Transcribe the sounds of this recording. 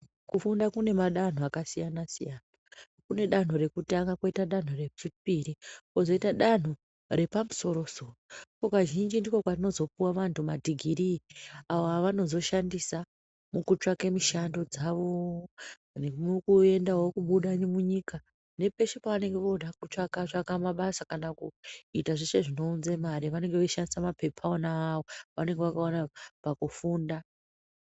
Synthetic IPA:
kufundakune̞maɗan̤oakasijanasijaːna | kune̞ɗan̤oɾe̞kutaŋɡako̞itaɗan̤oret͡ʃip̚iɾio̞zo̞itaɗan̤u | re̞pamuso̞ɾo̞so̞rokokaʒind͡ʒindikokwatino̞zo̞puwaʋantumadʱiɡʱiɾiaʋoaʋano̞zo̞ʃandisa | mukut͡ʂakemiʃando̞d͡zaʋo̞ | nemukue̞ndaɦokuɓuɗanimuɲika | ne̞pe̞ʃepaʋane̞ŋɡe̞ʋo̞ɗakut͡ʂakat͡ʃakamaɓasakanakṵitaʐeʃe̞ʐino̞unzemaɾiʋane̞ŋɡeʋeiʃandisamape̞pʰaonaːʋoʋa̰ne̞ŋɡe̞ʋakaonapakufuːnda

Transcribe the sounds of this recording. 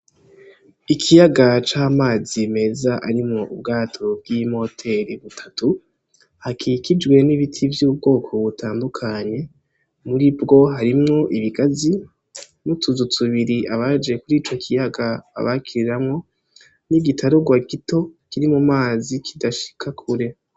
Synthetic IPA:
ikʰijaɡat͡ʃaːmaːzime̞zaʔaɾimŋo̞ʔṵb̚ɡaːtʰo̞b̚ɡimho̞tʰe̞ɾiβutʰḁtu | hakʰikid͡ʒɡwe̞niβitʰivjuːbɡo̞ːkʰo̞βutaːndukʰaɲe̞ | muɾibɡo̞ɦaɾimŋo̞ʔiβiɡazi | mutuzutuβiɾiʔaβad͡ʒe̞kuɾiːt͡ʃo̞kʰijaɡa̰ːβakiɾiɾamŋo̞ | niɡitʰaɾo̞ɡwaɡito̞kiɾimumaːzikʰidaʃi̥kʰakʰuɾe̞

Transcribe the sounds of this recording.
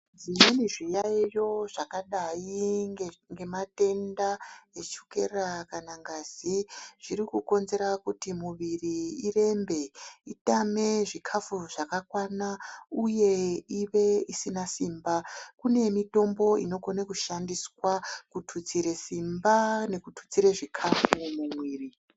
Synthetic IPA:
d͡zimeniʐijaijo̞ʐakaɗai | ŋɡe̞mate̞ndaet͡ʃuke̞rakanaŋɡaziʐ̥iɾikuko̞nze̞ɾakutimuʋiriire̞mbe̞itame̞ʐikʰafuʐakakwanauje̞iʋe̞isinasimbakune̞mito̞mbo̞ḭno̞ɡonakuʃandiswakutʰut͡siɾe̞simbane̞kutʰu̥t͡siɾeʐikʰafumumwiːri

